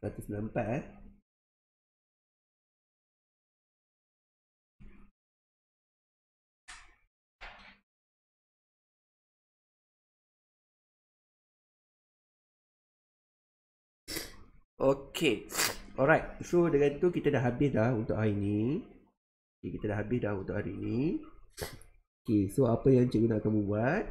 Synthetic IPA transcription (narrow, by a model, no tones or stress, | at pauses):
ɾat̪usnãmpaʔ | ʔokʰeɔɹajt̚sodəŋãnt̪ukit̪adaʔɦabɪsdahunt̪ʊ̰ʔhaɾini | okekit̪adaʔhɦabɪsdahunt̪ʊʔhaɾiːni | okesoapəjãŋt͡ʃəɡunakamubuat̪̚